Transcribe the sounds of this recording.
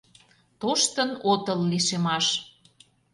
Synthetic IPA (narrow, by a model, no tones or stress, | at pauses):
t̪oʃt̪ənot̪əlːiʃemɑʃ